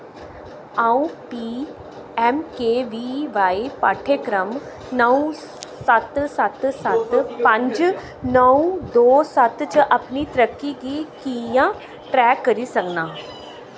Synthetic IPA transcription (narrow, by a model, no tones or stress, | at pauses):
ãːũpiː | ɛːmkeːʋiːʋaːipa̰ːʈʰekɾəm | nəũ | sɐt̪sɐt̪sɐt̪pɐ̃ɲd͡ʒ | nəũd̪oːsɐt̪t͡ʃʔɐpnit̪əɾəkːiɡikijã | ʈɾɛːkːəɾisɐknaː